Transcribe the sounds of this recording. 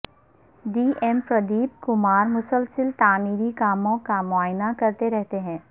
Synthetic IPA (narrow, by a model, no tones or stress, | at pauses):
ɖiːʔɛːmpɾɐd̪iːp̚kʊmaːɾmʊsəlsəlt̪aːmiːɾikaːmõkamʊaːjnakɐɾt̪eɾɛɦt̪eɦɛ̃ː